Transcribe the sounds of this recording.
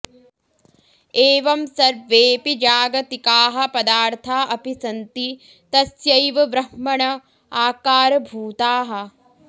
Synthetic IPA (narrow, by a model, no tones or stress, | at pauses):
eːʋɐmsɐɾʋeːpid͡ʒaːɡɐt̪ikaːɦɐ̆pɐd̪aːɾt̪ʰaːʔɐpisɐnt̪i | t̪ɐsjɐjʋɐʋɾɐhmɐɳɐ | aːkaːɾɐbʱuːt̪aːɦɐ̆